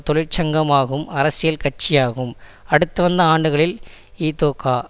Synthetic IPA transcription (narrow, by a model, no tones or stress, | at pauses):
t̪ɔɭɪɾt͡ʃɐŋɡɐmaːɣɯmɐɾɐsɪjɐlkɐʈ̚t͡ʃːɪjaːɣɯmɐɽɯt̪ːɯʋɐnd̪ɐaːɳɖɯɣɐɭɪliːt̪oːkːaː